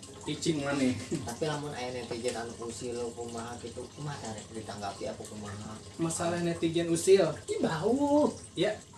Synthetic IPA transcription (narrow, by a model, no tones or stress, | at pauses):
it͡ʃimŋanit̪apilamʊnʔa̰janɛt̪id͡ʒɛnanukusilokumaɦakit̪ukmadaɾɛdit̪aŋɡapiapəkumaɦa | masalahnɛt̪iɡɛnusilɡibau | ja